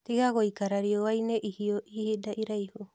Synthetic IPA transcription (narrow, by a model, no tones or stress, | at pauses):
t̪ihaɡojkaɾaɾioajneʔihioʔihidaʔiɾajho